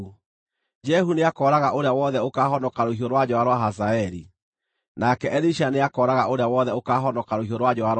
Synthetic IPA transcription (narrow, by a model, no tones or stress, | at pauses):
d͡ʒɛɦuneakɔɾaɣaʔoɾeawɔðɛokaːɦɔnɔkaɾoɦioɾwad͡ʑɔaɾwaɦazaɛɾi | nakɛʔɛɾiʃaneakɔːɾaɣaʔoɾeawɔðɛokaːɦɔnɔkaɾoɦioɾwad͡ʑɔaɾ